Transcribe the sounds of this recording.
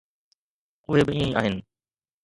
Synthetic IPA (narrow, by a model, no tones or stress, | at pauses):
ʊɦebɪĩːẽa̰ːɦɪnɪ̆